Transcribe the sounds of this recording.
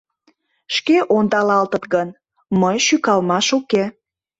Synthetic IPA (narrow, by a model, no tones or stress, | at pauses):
ʃkeʔond̪ɑlɑlt̪ət̪ɣən | məjʃykɑlmɑʃuke